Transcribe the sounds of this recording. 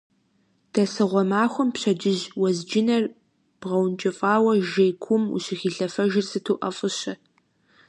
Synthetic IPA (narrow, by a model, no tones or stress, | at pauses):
d̥ɐsɨʁʷɔmaːxʷʊmpɕɐd͡ʒɪʑwɐzd͡ʒɪnɐr | b̥ʁɐwnt͡ʃʼɐfʼaːwɐʒeːjkʷʰʊmṵɕɪxiːɬɐfɐʒɪrsɨtʰuːʔɐfʼɨɕɐ